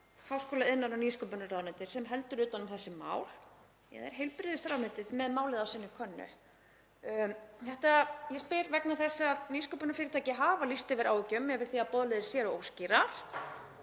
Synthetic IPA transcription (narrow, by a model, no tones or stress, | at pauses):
hawskɔːlaɪnːaɾawniskɔpʏnarawnɛt̪ɪ̥sɛmɦɛlt̪ʏɾʏːt̪anʏmθɛsːɪma̰ːwl̥ | jɛ̰ðɛ̰ɾ̥ɦejlpɾɪðɪsɾaːwnɛt̪ɪðmɛðmaːwlɪðawsɪnːʏkʰœnːʏ̰ | hɛht̪ajɛspɪɾvɛknaθɛsːaðniskɔpʏnaɾflɪːɾɪt̪ʰaːjcɪɦaːvalist̪ɪvɛɾa̰ːwɪcːʏmːɛvɪɾ̥θiapɔðlɛðɪɾ̥sjɛɾɔoːwsciɾaɾ̥